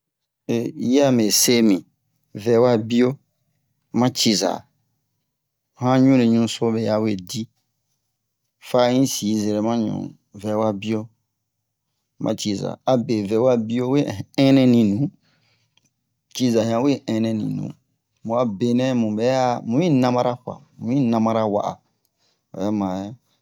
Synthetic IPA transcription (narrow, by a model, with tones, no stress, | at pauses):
e˨ji˦a˦˨me˨se˦mĩ˨ | vɛ˨˦wa˦bi˦o˦ | mã˦t͡ʃi˦za̰˨ | hã˦ɲũ˦le˨ɲũ˦so˦be˨ja˨we˨di˦ | fa˦ɲĩ˦siː˨˦zɛ˨ɾɛ˨mã˦ɲɔ̰̃˨ | vɛ˨wa˦bi˦o˦ | mʔã̰˦t͡ʃi˦za̰˨a˨be˨vɛ˨˦wa˦bi˦o˦we˦˨ɛ̃˦nɛ̃˦nĩ˨nũ˨˦ | t͡ʃi˦za˨hã˨˦we˦ɛ̃˦nɛ̃˦nḭ̃˨nṵ̃˨˦ | mũ˨a˨be˨nɛ̃˦mũ˨bɛ˨˦ja˦mũ˨˦ĩ˦nã˦mã˦ɾa˦ɸa̰˨mũ˨˦ĩ˦nã˧mã˦ɾa˦wa̰˦˨ʔa̰˨ | a̰˨jɛ˦mã˨jɛ˦